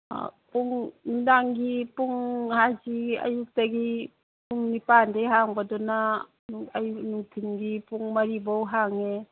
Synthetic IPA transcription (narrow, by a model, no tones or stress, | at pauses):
puŋnudaŋɡipuŋhaziɐ̰juk̚taɡi | puŋnipandeɦaŋbadɔna | junuŋtʰinɡipuŋmɐɾibɔwɦaŋe